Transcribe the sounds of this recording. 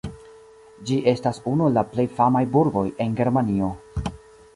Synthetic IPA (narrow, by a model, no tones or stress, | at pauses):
d͡ʒiʔe̞stasunulaple̞jfamajbuɾɡo̞je̞nɡe̞ɾmanio̞